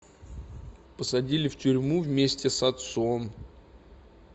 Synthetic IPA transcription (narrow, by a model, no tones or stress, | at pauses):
pəsɐdʲilʲɪftʲʏɾʲmuvmʲesʲtʲɪsɐt̪son